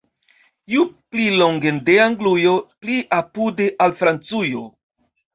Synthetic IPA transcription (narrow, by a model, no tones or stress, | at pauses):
jupliloŋɡendeaŋɡlujopliʔapudeʔalfɾant͡sujo